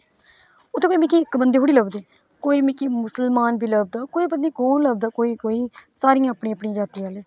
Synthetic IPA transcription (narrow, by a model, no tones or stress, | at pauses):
ʊt̪ʰːẽːkoːiːmɪkiɪkbənd̪eːɦʊɽiːləbd̪eː | koːiːmɪkiːmʊsəlmaːnbʱiːləb̚d̪aːkoːiːbənd̪iːkoːnləbd̪aːkoːiːkoːiːsaːɾiːãːpɳiːəpɳĩːd͡ʒaːt̪iːaːleː